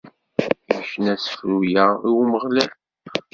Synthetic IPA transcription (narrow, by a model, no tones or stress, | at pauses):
jəçənæsə̥fɾujæiwməʁlæl